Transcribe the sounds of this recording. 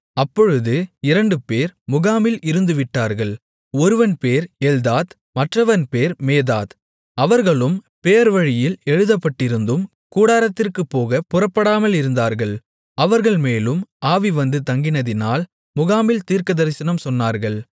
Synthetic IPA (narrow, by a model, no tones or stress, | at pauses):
ɐpːɔɻɯðɯɪɾɐɳɖɯpeːɾmʊɣaːmɪlɪɾɯnd̪ɯʋɪʈːaːɾɣɐɭ | ɔɾɯʋɐnpeːɾɛld̪aːt̪ | mɐʈrɐʋɐnpeːɾmeːðaːð | ɐʋɐɾɣɐɭɯm | peːɐɾʋɐɻɪjɪlɛɻɯðɐpːɐʈːɪɾɯnd̪ɯm | kuːɽaːɾɐt̪ːɪrkɯpːoːɣɐpʊrɐpːɐɽaːmɐlɪɾɯnd̪aːɾɣɐɭ | ɐʋɐɾɣɐɭmeːlɯmaːʋiʋɐnd̪ɯt̪ɐŋɡɪnɐðɪnaːl | mʊɣaːmɪlt̪iːɾkɐðɐɾɪsɐnɐmsɔnːaːɾɣɐɭ